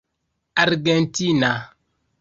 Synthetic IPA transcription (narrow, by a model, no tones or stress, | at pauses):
aɾɡɛntina